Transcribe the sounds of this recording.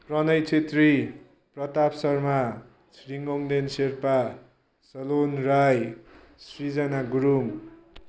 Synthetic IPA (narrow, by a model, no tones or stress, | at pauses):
prʌnʌjt͡sʰet̪ri | prʌt̪apsʌrma | sʰriŋoŋd̪enserpa | sʌlonraj | srid͡zʌnaɡuɾuŋ